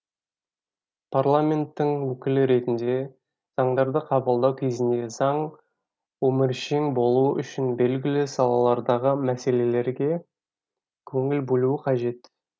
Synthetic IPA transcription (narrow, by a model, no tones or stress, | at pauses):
pʰarlˠamʲe̞nt̪ːɪŋwɵkʲɪlɪɾe̞t̪ɪnd̪e̞ | z̥ɑɴd̪ɑɾd̪əqʰɑbəlˠd̪ɑwkʲʰe̞zɪnd̪e̞zɑɴ | ɵmɪɾʃeŋbo̞lˠuəʔʏʃɪnbe̞lɡʲɪlɪsɑlˠɑlˠɑɾd̪ɑʁəmæse̞le̞le̞ɾɡʲe̞ | kʲʰɵŋɪlbɵlˠuɪqʰɑʒe̞t̪